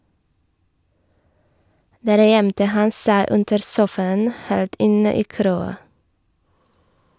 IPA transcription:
ˈdæːɾ ˈjɛmtə ˈhɑn ˈsæɪ ˈʉndəɾ ˈsuːfɑən ˈheːlt ˈɪnə ˈiː ˈkɾoːɑ

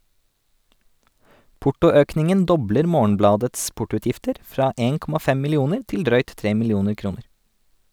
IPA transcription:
ˈpʊʈʊˌøːknɪŋən ˈdɔbləɾ ˈmoːɳ̩ˌblɑːdɛts ˈpʊʈʊˌʉːtjɪftəɾ ˈfɾɑː ˈeːn ˈkɔmɑ ˈfɛ mɪlɪˈuːnəɾ ˈtɪl ˈdɾœʏt ˈtɾeː mɪlɪˈuːnəɾ ˈkɾuːnəɾ

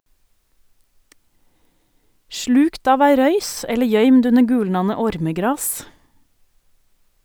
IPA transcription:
ˈʃɭʉːkt ˈɑːʋ ˈæɪ ˈɾœʏs ˈɛlə ˈjœʏmd ˈʉnə ˈɡʉːlnɑnə ˈɔɾməˌɡɾɑːs

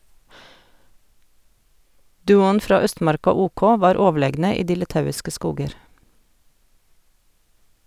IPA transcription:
ˈdʉːʊn ˈfɾɑː ˈœstmɑɾkɑ ˈuːˌkoː ˈʋɑːɾ ˈoːˌʋɭeːɡnə ˈiː ˈdiː lɪˈtɑʉɪskə ˈskuːɡəɾ

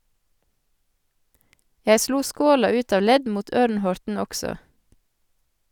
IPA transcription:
ˈjæɪ ˈsluː ˈskoːlɑ ˈʉːt ˈɑʋ ˈlɛd ˈmuːt ˈœɾnˌhɔɾtn̩ ˈɔksɔ

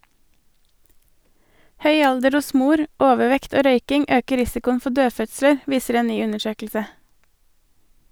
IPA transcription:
ˈhœʏ ˈɑldəɾ ˈʊs ˈmuːɾ ˈoːʋəˌʋɛkt ˈoː ˈɾœʏkɪŋ ˈøːkə ˈɾɪsɪkʊən ˈfɔ ˈdøːˌfœtsləɾ ˈʋiːsəɾ ˈeːn ˈnyː ˈʉnəˌʃøːkl̩sə

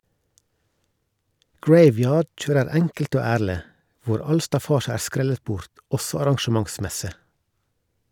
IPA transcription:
ˈɡɹeɪˌʋjɑːɖ ˈc͡çøːɾəɾ ˈɛŋkl̩t ˈoː ˈæːɭə ˈʋʊɾ ˈɑl stɑˈfɑːʃə ˈæː ˈskɾɛlət ˈbʊɾt ˈɔsɔ ɑɾɑŋʃəˈmɑŋˌsmɛsə

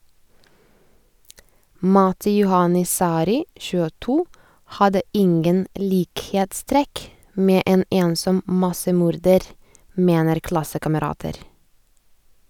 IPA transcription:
ˈmɑtɪ ˈjʊhɑnɪ ˈsɑːɾɪ çʉːəˈtuː ˈhɑdə ˈɪŋɡən ˈliːkheːtˌstɾɛk ˈmeː ˈeːn ˈeːnsɔm ˈmɑsəˌmuːɾdəɾ ˈmeːnəɾ ˈklɑsəkɑməˌɾɑːtəɾ

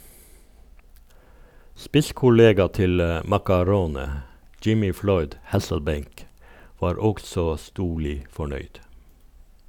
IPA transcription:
ˈspɪskʊˌleːɡɑ ˈtɪl ə mɑkɑˈɾoːnə ˈd͡ʒɪmɪ ˈflɔʏd ˈhæsl̩ˌbeɪŋk ˈʋɑːɾ ˈɔɡsɔ ˈstuːɭɪ fɔˈɳœʏd

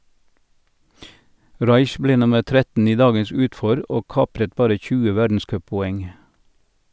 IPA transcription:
ˈʁɑɪç ˈbleː ˈnʊməʁ ˈtɾɛtn̩ ˈiː ˈdɑːɡəs ˈʉːtˌfɔɾ ˈoː ˈkɑːpɾət ˈbɑːɾə ˈçʉːə ˈʋædn̩ˌskœppɔˌɛŋ

